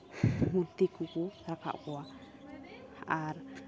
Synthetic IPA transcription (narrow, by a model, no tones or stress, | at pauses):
mut̪ikukuɾaka̰ʔkua | aɾ